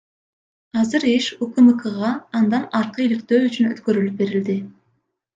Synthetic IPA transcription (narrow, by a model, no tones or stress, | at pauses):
ɑzɯɾeʃukɨmɨkɯʁɑɑnd̪ɑnɑɾqɤilik̚t̪øːyt͡ʃynøt̪kø̞ɾylyp̚be̞ɾild̪ɪ